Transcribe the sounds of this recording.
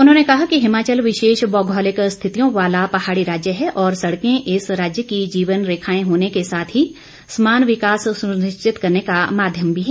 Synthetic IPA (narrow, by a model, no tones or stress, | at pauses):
ʊnɦõːnekɐɦakiɦɪmaːt͡ʃəlʋɪʃeːʃbɔːɡʱɔːlɪkst̪ʰɪt̪ijõʋaːlapɐɦaːɽiɾaːd͡ʒjəɦɛʔɔːɾsɐɽkẽʔɪsɾaːd͡ʒjəkid͡ʒiːʋənɾeːkʰaːẽɦoːnekesaːt̪ʰɦi | smaːnʋɪkaːssʊɪʃt͡ʃɪt̪kɐɾnekamaːd̪ʱjəmbʱiɦɛː